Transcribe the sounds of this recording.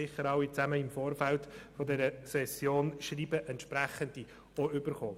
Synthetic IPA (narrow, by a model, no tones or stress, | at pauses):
ɪχəɾɑʊit͡sæməɪmfoːɾfæltfɔdɛɾəsɛsjoːnʃriːbəʔɛnt̪ʃpɾæχənd̥i | ɔʏb̥əɾχoː